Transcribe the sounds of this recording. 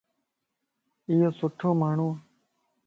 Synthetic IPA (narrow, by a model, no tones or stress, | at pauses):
ɪjoːsʊʈʰoːmaːɳ̤ũː